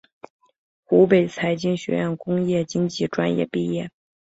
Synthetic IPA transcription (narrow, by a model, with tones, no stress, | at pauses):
xu˧˥pe˨˩ɪt͡sʰa˧˥ɪt͡ɕi˥ŋɕɥɛ̰˧˥jə˥˩nkʊ˥ŋjɛ˥˩t͡ɕi˥ŋt͡ɕi˥˩ʈ͡ʂwa˥njɛ̰˥˩pi˥˧jɛ˥˩